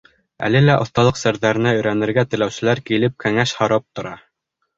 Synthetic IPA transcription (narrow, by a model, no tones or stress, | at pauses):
æ̰lɘlæʔŏθt̪ɑlˠɤqsæɾðæɾɘ̆næɵ̆jɾænɘ̆ɾɡæt̪ɘ̆læwsɘ̆læɾkilɘp̚kæŋæʃhɑɾɑp̚t̪ŏɾɑ